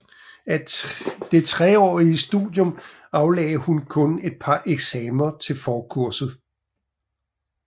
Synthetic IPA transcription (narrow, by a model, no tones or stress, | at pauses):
æd̥e̝t͡sʰʁɛɒ̰ːisd̥ṵðˠjɔ̽m | ɑ̈ʊlɛ̰ːɪhunkʰɔ̽ne̝d̥̚pʰɑ̈ʔeɡ̥sɛːmɐt͡sʰe̝lfɒːkʰuɐ̰sð̩ˠ